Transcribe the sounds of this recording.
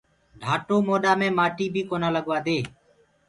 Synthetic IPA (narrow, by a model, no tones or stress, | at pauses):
ɖʱaːʈoːmoːɗaːmẽːmaːʈiːbʱiːkoːnaːləɠʋaːd̪eː